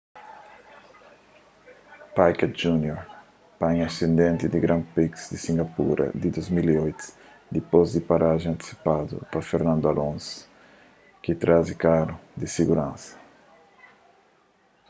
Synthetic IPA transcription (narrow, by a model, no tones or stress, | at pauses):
pajkat̪d͡ʒunjoɾ | paɲasẽnd̪ẽnt̪id̪iɡɾãnpiksd̪isĩŋɡapṵɾʔɐ̰d̪id̪ozmiliojt̪ | d̪ipozd̪ipaɾaʒẽŋãnt̪i̥si̥pad̪ṵpafeɾnãnd̪ʊalõns | kit̪ɾazikaɾʊd̪isiɡuɾãnsɐ̥